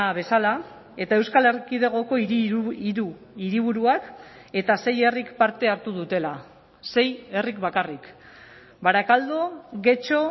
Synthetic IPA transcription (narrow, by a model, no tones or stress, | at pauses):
aβe̞sala | e̞t̪ae̞wskale̞rkið̞e̞ɣ̞o̞ko̞iiɾu | iɾiβ̞uɾuak | e̞t̪ase̞je̞rikpaɾt̪e̞aɾt̪uð̞ut̪e̞la | se̞je̞rikbakarik | baɾakald̪oɣe̞t͡ʃo̞